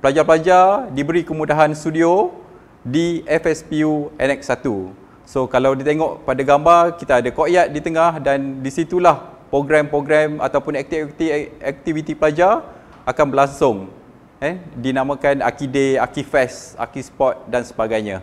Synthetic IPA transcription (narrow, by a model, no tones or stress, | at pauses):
pəlad͡ʒapəlad͡ʒadibəɾikəmudaɦanst̪udio | diʔɛfɛspiuɛ̰nɛk̚sat̪u | sokalawdit̪eŋɔʔpadaɡambarkit̪aːdakoʔjat̪̚dit̪əŋahdandisit̪ulahpɾoɡɾɛmpɾoɡɾɛma̰t̪awpʊnɛk̚t̪ikt̪iɛk̚t̪ivit̪ipəlad͡ʒa | akanbəlaŋsʊŋ | ɛdinãmãkana̰kideakifɛsa̰kispɔt̪̚dansəbaɡajɲã